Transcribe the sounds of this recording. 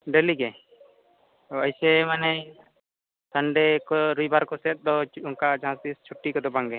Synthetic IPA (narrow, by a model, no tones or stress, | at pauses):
ɖeliɡɛ | əjsemanɛ | səɳɖekɔɾujbaɾkɔsɛt̪̚ˀd̪ɔuŋkad͡ʒãst̪ist͡ʃʰuʈːikɔd̪ɔbaŋɡɛ